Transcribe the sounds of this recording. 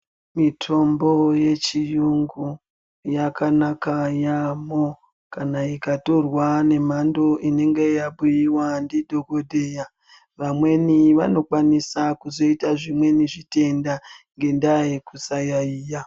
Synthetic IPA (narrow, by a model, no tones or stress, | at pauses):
mitʰo̞mbo̞je̞t͡ʃijuŋɡu | jakanakajamo | kanaikato̞rwane̞mandoine̞ŋɡe̞jaɓujiwandidʱo̞ɡo̞dʱeja | ʋamwe̞niʋa̰no̞kwanisakuzo̞itaʐimwe̞niʐite̞ndaŋɡe̞ndajekusajaiːja